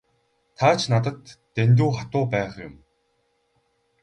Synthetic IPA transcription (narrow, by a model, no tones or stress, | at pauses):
t̪ʰaːt͡ɕʰnat̪ə̆t̪ːent̪̬uːχat̪ʊːpæːχjʊ̰m